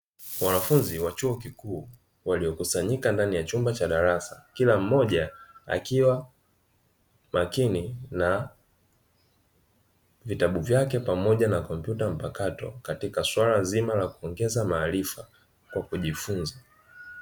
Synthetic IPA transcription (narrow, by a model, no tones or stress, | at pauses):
wanafunziwat͡ʃuɔkikuː | waliɔkusaɲikandanijat͡ʃumbat͡ʃaɗaɾasakilam̩mɔʄaa̰kiwa | makinina | vitaɓuvjakɛpamɔʄanakɔm̩pjutam̩pakatɔ̰katikaswalazimalakuɔŋɡɛzamaːlifa | kwakuʄifunza